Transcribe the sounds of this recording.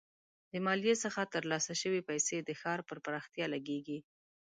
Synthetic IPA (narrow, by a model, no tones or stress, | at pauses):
d̪̥əmɑlijesəxat̪əɾlɑsaʃəwepajsed̪əxɑɾpəɾpəɾɑxt̪jɑlaɡeɡi